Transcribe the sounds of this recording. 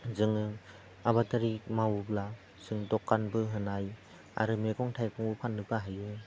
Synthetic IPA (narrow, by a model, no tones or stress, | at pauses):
zɯŋɯ | aβataɾimawbla | z̥ɯŋdɔkːanbɯɦɯnaj | a̰ɾɯmeɡɔŋtʰajkɔŋbɯpʰanːɯbaɦajɯ